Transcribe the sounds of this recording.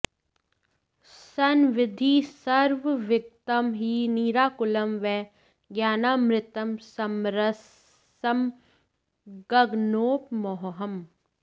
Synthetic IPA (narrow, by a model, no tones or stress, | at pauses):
sɐnʋɪd̪ʱisɐɾʋʋɪk̚t̪əmɦiniːɾaːkʊlɐmʋɛː | ɡjaːnaːmɾɪt̪əmsɐmɾɐ | ɐm | ɡɐɡnoːpmoɦɦɐm